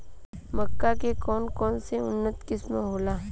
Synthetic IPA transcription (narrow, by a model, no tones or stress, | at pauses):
mɐkːakekɔːnkɔːnseʊnːət̪kɪsmẽɦoːlaː